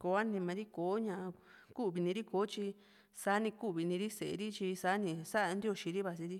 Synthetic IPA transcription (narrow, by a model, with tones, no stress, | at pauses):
ko˧˦a˦nĩ˧mã˧ɾi˦koː˨˦ɲã˧ | ku˦βi˨˧nĩ˧ɾi˦koː˨˦t͡ʃi˧ | sa˧˦nĩ˧ku˦˨βi˧nĩ˧ɾi˦se˨ʔḛ˧ɾi˦t͡ʃi˧saː˦nĩ˧sa˦ʔnd̪i˦o˧˨ʃĩ˧ɾi˦βa˧si˧ɾi˦